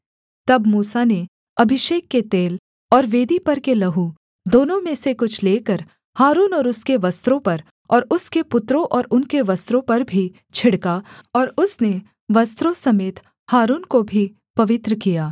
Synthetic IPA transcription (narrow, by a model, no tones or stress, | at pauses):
t̪ɐbmuːsane | ɐbʱɪʃeːkːet̪eːl | ɔːɾʋeːd̪ipɐɾkelɐɦu | d̪oːnõmẽsekʊt͡ʃʰleːkɐɾ | haːɾuːnɔːɾʊskeʋɐst̪ɾõpɐɾ | ɔːɾʊskepʊt̪ɾõʔɔːɾʊnkeʋɐst̪ɾõpɐɾbʱi | t͡ʃʰɪɽkaɔːɾʊsne | ʋɐst̪ɾõsɐmeːt̪ | haːɾuːnkobʱi | pɐʋɪt̪ɾəkijaː